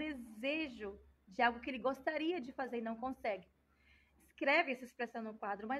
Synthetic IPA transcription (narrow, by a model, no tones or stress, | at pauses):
d̪ezeʒʊd͡ʒɪawɡʊkɪelɪɡost̪aɾiɐd͡ʒɪfazeɾɪnɐ̃w̃kõsɛɡɪ | ɪskɾɛvɪɛsɐɪspɾesɐ̃w̃nʊkwad̪ɾʊmɐ